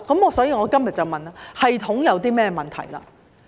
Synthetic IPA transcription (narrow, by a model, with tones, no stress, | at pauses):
kɐ˨˥mɔː˨˧sɔː˨˥jiː˨˧ŋɔː˨˧kɐ˥mjɐ˨t̚t͡sɐ˨wmɐ˨na˧hɐ˨jt̪ʰʊ˨˥ŋjɐ˨˧wt̪iː˥mɛː˥ɛ˧mɐ˨nt̪ʰɐ̰˨˩jla̰ː˧